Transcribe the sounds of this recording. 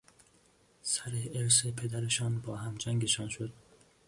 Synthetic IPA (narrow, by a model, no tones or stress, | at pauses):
saɾeʔeɾsepʰed̪æɾeʃɒːnbɒːɦamd͡ʒæŋɡeʃɒnʃod̪̥